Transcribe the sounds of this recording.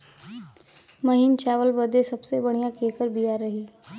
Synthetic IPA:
məɦint͡ʃaːʋəlbəd̪esəbsebəɽ̤̃ijãkekəɾbijaɾːəɦiː

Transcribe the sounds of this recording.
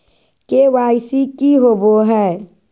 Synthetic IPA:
kewaɪsikiɦoboɦɛ

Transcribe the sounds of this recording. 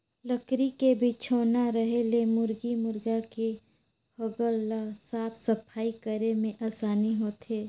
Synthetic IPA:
ləkɾikebʱit͡ʃʰoːnaɾəɦelemʊɾɡimʊɾɡake | hoɡəlːasaːpʰsəpʰaːikəɾemẽʔaːsaːniɦoːt̪ʰeː

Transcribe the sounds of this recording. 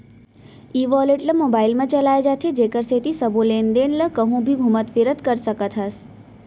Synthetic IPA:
iːʋɔːleʈləmoːbaːɪlmãt͡ʃəlaːed͡ʒat̪ʰed͡ʒeːkəɾset̪isəbʱoleːnd̪eːnləkəɦũbʱiɡʱumət̪ʋiɾət̪kəɾsəkət̪ʰɦəs

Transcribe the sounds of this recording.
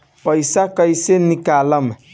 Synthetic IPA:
pɔisakɔisenĩkalamɛ

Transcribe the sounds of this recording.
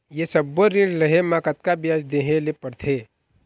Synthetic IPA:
jesəbːoɾiɾləɦemãkət̪̚kabɪjaːd͡ʒd̪eːɦẽlepəɾt̪ʰeː

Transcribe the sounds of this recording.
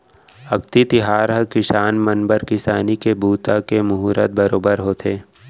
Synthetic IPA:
ɐkt̪it̪ɪɦaːɾɦəkɪsaːnmɐnbəɾkɪsaːnikebuːt̪akemʊɦuːɾət̪̚bɐɾoːbəɾɦoːt̪ʰeː

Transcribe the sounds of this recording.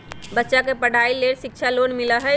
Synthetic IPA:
bətːʃakepəɽ̤ʱaileɽʃɪk̚t͡ʃʰalonmɪləɦɛ

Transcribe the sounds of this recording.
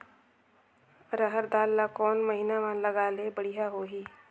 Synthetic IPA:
ɾəɦəɾd̪aːlːakɔːnməɦinamãnləɡaːlebəɽ̤iɦaɦoːɦiː

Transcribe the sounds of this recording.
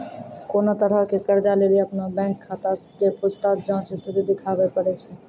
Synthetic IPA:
koːnat̪əɽəɦkekəɾd͡ʒaleːlieəpnabɛ̃ːŋkʰːaːt̪askepʊst̪aːt̪̚d͡ʒaãsɪst̪ʰɪt̪id̪ɪkʰaːʋepəɽet͡ʃʰɛ

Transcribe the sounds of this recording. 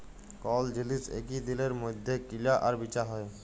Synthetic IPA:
kɔld͡ʒilisḛkid̪ileɾmod̪ʱːekilaʔaɾbit͡ʃaɦɔe

